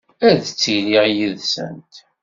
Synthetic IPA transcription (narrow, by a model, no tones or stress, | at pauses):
æðt͡sːiliʁjəðsə̰nt̪